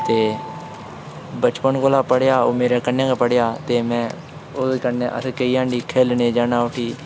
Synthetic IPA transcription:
t̪eː | bət͡ʃpənkoːlaːpəɽjaːoːmeːɾɛːkənːẽːkːpəɽjaːt̪eːmɛ̃ː | oːskənːẽːʔə̰skəiːãːɳɖiːkʰeːlneːd͡ʒaːnaːʊʈʰiː

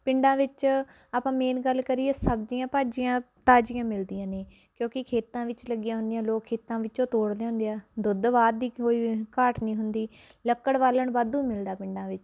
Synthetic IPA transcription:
pɪ̃ɳɖãːʋɪt͡ʃ | aːpãːmeːnɡəlːkəɾieːsəbd͡ʒijãːpaːd͡ʒɪjãː | t̪aːd͡ʒɪjãːmɪld̪ɪjãːneː | kjõːkɪkʰeːt̪ãːʋɪt͡ʃləɡɪjãːɦʊ̃nd̪ɪjãːloːkʰːeːt̪ãːʋɪt͡ʃõːt̪oːɽd̪eːɦʊ̃nd̪eaːd̪ʊd̪ʋaːd̪d̪iːkoːiːkaːʈnĩːɦʊnd̪iː | ləkːəɽʋaːləɳbaːd̪ũːmɪld̪aːpɪ̃ɳɖãːʋɪt͡ʃ

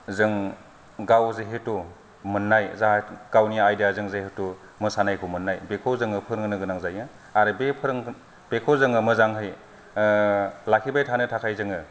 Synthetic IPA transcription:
zɯŋ | ɡawzeɦetu | mɯnːajzaɡ̥awnijajdijazɯŋzehetu | mɯsanajkʰɯmɯnːajbekʰozɯŋɯpʰɯɾŋnɯɡɯnaŋzajɯ | aɾɯbepʰɯɾŋ | b̥ekʰozɯŋɯmɯzaŋɦɯj | lakʰibajtʰanɯtʰakʰajzɯŋɯ

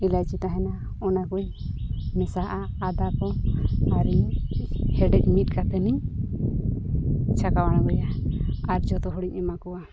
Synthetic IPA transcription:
ilajt͡ʃit̪aɦɛna | ɔnakuj | mɛsaɦʔaːd̪akɔaɾi | hɛɖɛc̚ˀmit̪̚kat̪ɛniɲ | t͡ʃʰakawaɽ̃aɡɔjaaɾd͡ʒɔt̪ɔɦɔɽiɲɛmakɔwa

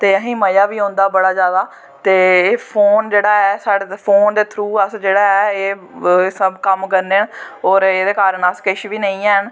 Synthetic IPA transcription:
t̪eːəɦĩːməjaːʋiːõːnd̪aːbəɽaːzjaːd̪aː | t̪eːpʰoːnd͡ʒeːɽaːɛːsaːɽepʰoːnd̪eːt̪ʰɾuːəsd͡ʒeːɽaːɛːeː | səbkəmkəɾneːənɔːɾeːd̪eːkaːɾəɳəskɪʃʋiːnə̃ĩːɛːɦən

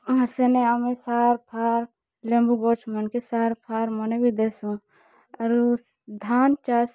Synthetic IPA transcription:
ɐseneɐmesaːɾpʰaːɾ | lẽmbuɡoːt͡ʃʰmɐnkesaːɾpʰaːɾmɐnebid̪esũ | ɐɾu | d̪ʱaːnt͡ʃaːs

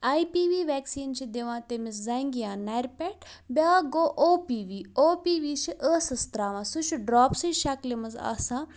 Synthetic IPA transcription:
aipiːʋiːʋɛːksiːnt͡ʃʰid̪eʋãːt̪emiszaŋɡijãːnaɾʲpeʈbʲaːɡoːʔoːpiːʋiːoːpiːʋiːʃʰiʔəːsɐst̪ɾaːʋãːsut͡ʃʰuɖɾaːpsɨʃɐklimɐza̰ːsãː

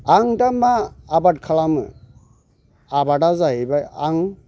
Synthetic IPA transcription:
aŋdamaːbad̚kʰalamɯ̰ | abaɖazaɦibajaŋ

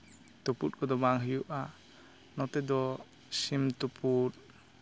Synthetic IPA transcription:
t̪uput̚kɔd̪ɔbaŋɦəjuʔa | nɔt̪ɛd̪ɔ | simt̪upʰut̪̚

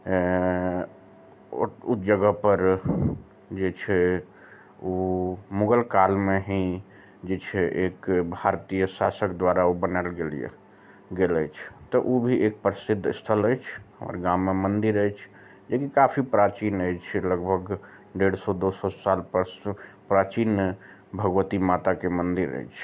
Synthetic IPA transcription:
ʊd͡ʒəɡəpəɾ | d͡ʒet͡ʃʰe | omʊɡəlkaːlmẽɦĩ | d͡ʒet͡ʃʰeʔeːkbʱaːɾt̪ijəsaːsəkd̪waːɾaobənəlɡelḭḛ | ɡeləjt͡ʃʰt̪ɔʔobʱiʔek̚pɾəsɪd̪ʱːst̪ʰələjt͡ʃʰɔ̰ɾɡãmːemənd̪iɾəjt͡ʃʰ | d͡ʒekikapʰipɾat͡ʃinəjt͡ʃʰɛləɡbʱəɡ | ɖeɽsɔd̪osɔsalpəɾspɾat͡ʃin | bʱəɡʋət̪imat̪akemənd̪iɾə̰jt͡ʃʰ

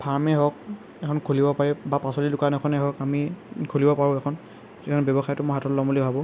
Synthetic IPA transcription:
pʰaɹmɛɦɔk̚ | ɛkʰɔnkʰolibɔpaɹɛbapasɔlidʊkanɛkʰɔnɛɦɔkamikʰolibɔpaɹʊ̃ɛkʰɔn | ekʰɔnbɔbɔxajɔtʊmɔjɦatɔtlɔmulibʱabɔ̃

